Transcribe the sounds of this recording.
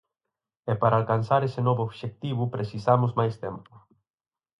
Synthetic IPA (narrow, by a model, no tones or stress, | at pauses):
ɛpaɾalkansaɾesenɔβoːβʃek̚t̪iβupɾesisamʊzmajst̪ɛmpʊ̥